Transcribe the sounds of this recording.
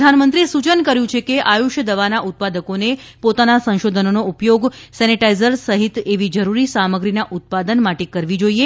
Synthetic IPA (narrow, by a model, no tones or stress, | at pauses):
anmənt̪ɾisut͡ʃənkəɾjũt͡ʃʰekeʔajuʃjəd̪əʋanaʔut̪̚pad̪əkonepot̪anasə̃ñʃod̪ʱənonoupjoɡsɛniʈaizəɾsəɦit̪eʋid͡ʒəɾuɾisaməɡɾinaʔut̪̚pad̪ənmaʈekəɾʋid͡ʒoie